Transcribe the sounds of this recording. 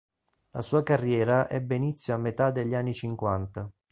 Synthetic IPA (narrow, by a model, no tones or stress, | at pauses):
la̰suːakarːjɛːɾaʔɛbːeinit̪sːjoamːet̪ad̪ːeʎːanːit͡ʃiŋkwant̪a